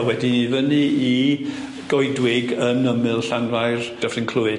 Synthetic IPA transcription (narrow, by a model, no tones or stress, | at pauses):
wɛdinivənii | ɡ̥ɔɨdwɪɡənəmɨlˠɬanvajrd̥əfrɪnkʰl̥ˠʊɨ